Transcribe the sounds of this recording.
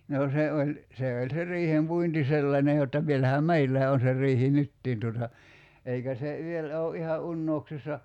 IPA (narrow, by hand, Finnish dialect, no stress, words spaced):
noː se olʲ se olʲ se riːhempuinti selːɑnʲe jotːɑ ʋielæhæ meilːæː on se rˑiːhi nytːiːn tuotɑ eikæ se ʋielæ o ʔihɑ ʔunːouksisːɑ